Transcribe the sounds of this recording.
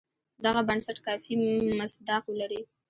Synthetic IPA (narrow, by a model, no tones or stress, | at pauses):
d̪aɣabansaʈkɑfimasd̪ɑqwəlaɾi